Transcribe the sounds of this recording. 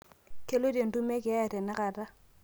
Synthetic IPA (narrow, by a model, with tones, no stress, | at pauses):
ke˦lo˦di˦e˨n̩˨du˦me˦kɪ˨˦ɛ˦˨tɛ˨nɪ˦ka˨ta˦